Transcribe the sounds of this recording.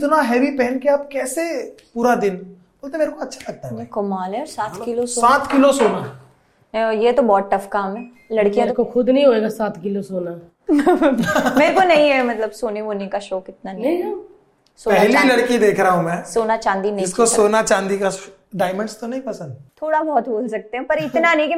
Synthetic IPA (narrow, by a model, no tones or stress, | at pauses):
ɪt̪naɦɛːʋipɛːnkeaːp̚kɛːsepuːɾad̪ɪn | b̥oːlt̪emeːɾekoɐtːʃʰḁlɐɡ̚t̪aɦkɐmaːlɦɛɔɾsaːt̪ʰkɪlossoːaːt̪ʰkɪlosoːna | jet̪obɔːt̪̚ʈːɐfkaːmɦɛː | lɐɽkijãt̪okoxʊd̪nɐɦĩɦoːeːɡasaːt̪ʰkɪlosoːna | meːɾekonɐɦĩɦɛmɐt̪ləbsoːniboːnekaʃoːkɪt̪nanɐĩ | soːpɛɦlilɐɽkid̪eːkʰɾaaɦũmɛ̃ːssoːnat͡ʃãːnd̪inɐɦiɪ̃skosoːnat͡ʃãːnd̪ika | ɖaːɪmə̃ɳɖst̪onɐɦĩpɐsə̃nd̪t̪ʰoːɽabɔːt̪boːlsɐk̚t̪eɦɛ̃pɐɾɪt̪nanɐĩki